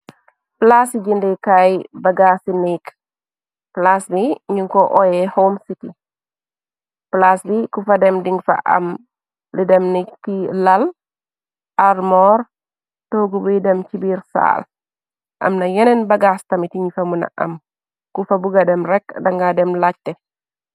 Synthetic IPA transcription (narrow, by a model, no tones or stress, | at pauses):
plasiɟindikajbɐɡaːsinik | plasliɲuŋkɔʔɔjɛhomsiti | plaslikufɐdɛmdiŋfɐ̰ʔɐ̰m | lidɛmnikːilɐl | ʔarmɔːɾ | toɡubudɛmt͡ʃibiːɾsa̰ːl | ʔɐ̰mnɐjɛnɛnbɐɡastɐmitiɲifɐmunɐ̰ʔɐ̰m | kufɐbuɡadɛmɾɛkdɐŋɡadɛmlac̚tɛ